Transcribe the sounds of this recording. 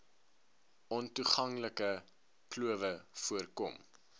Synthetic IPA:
ʔɔntuχɐŋləkə | kluəvəfuərkɔ̰m

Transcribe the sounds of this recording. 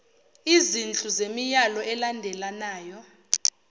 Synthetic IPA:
izint͡ɬʼuzemijalɔʔɛlandʱɛlanaːjɔ

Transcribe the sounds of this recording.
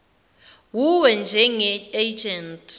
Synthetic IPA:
wuwɛnd͡ʒʱɛŋɛed͡ʒɛntʼ

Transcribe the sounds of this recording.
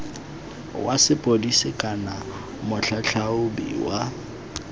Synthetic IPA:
wasɪpʼodisɪkʼana | mʊɬʰaɬʰaʊbḭwa

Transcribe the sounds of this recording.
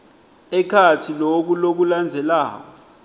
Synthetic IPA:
ɛkʰatʰilok̬ulok̬uland͡zʱɛlaːk̬ɔ

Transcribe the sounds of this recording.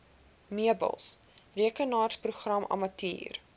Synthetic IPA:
miəbə̰lˠs | riəkənɑːrspruχrɐmʔɐ̰mɐtḭːr

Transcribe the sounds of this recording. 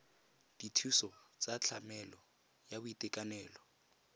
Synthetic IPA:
d̥itʰusɔt͡sʼat͡ɬʰamɛlɔ | jabʊitʼɛkʼanɛːlɔ

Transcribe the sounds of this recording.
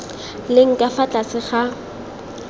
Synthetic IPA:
lɪŋ̩kʼafat͡ɬʼasɪχa

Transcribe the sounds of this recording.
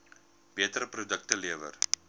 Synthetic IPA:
b̥iətəɾəpɾodək̚təliəvə̰r

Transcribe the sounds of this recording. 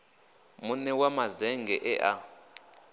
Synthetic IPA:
munɛwamazɛŋɡʱɛʔɛʔa

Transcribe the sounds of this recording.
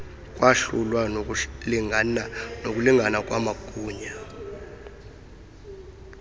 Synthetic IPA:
kʼwaɬulwai | nok̬ʼuliŋʱanakʼwamakʼuːɲa

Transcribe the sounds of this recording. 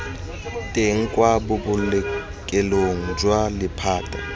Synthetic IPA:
tʼeŋ̩kʼwabʊbʊlɛ | kʼɛloŋ̩d͡ʒwalɪpʰaːtʼa̰

